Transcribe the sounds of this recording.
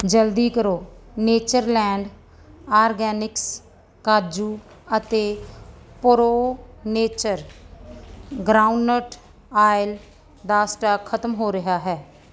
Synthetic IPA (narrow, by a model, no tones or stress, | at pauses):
d͡ʒəld̪iːkəɾoːneːt͡ʃəɾlɛːɳɖ | aːɾɡɛːnɪks | kaːd͡ʒuː | ət̪eːpʊɾoːneːt͡ʃəɾ | ɡɾaːuɳnəʈ | aːɪl | d̪aːsʈaːkʰət̪mɦoːɾɪɦaːɦɛː